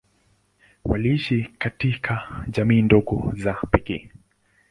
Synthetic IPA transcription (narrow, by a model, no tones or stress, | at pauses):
waliiʃikatikʰaʄamiːndɔɡɔ̰zapɛkɛː